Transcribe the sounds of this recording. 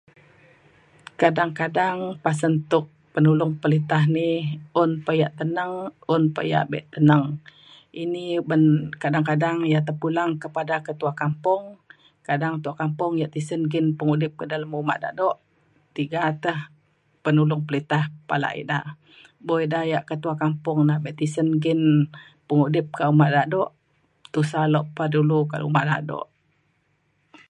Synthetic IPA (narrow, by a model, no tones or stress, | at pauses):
kadaŋkadaŋpas̬ənt̪ʊk̚pənulʊŋpəlit̪aɦniʊnpəjaʔt̪ənəŋʊnpə̰ja̰ʔbɛ̰ʔt̪ənəŋ | inibənkadaŋkadaŋjat̪əhpulaŋkəpadakət̪uakampʊŋ | kadaŋt̪uakampʊŋjaʔt̪isənɡɪnpəŋudɪp̚kədalamuma̰ʔda̰dɔʔ | t̪iɡat̪əh | pənulʊŋpəlit̪ahpala̰ʔḭdaʔ | boidajaʔkət̪uakampʊŋnabɛʔt̪isənɡɪn | pəŋudɪp̚kaʔumaʔdadɔʔ | t̪usalɔʔpəduluka̰lṵmaʔda̰dɔ̰ʔ